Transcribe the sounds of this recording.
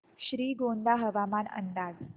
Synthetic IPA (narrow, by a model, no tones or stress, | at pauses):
ɕɾiːɡond̪aɦəʋamanə̰nd̪ad͡z